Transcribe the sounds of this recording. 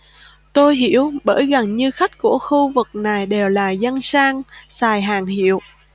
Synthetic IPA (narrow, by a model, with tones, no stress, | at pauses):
t̪o˧jɦi˧˥əwɓəː˧˥˩jɣa˨˩ŋɲɨ˧xa˦˥jk̟̚ku˧˩əxu˧vɨ˨˩k̚na˨˩jɗe˨˩wlaː˨˩za˧nsaː˧ŋsaː˨˩jɦaː˨˩ŋɦḭ˧˨əw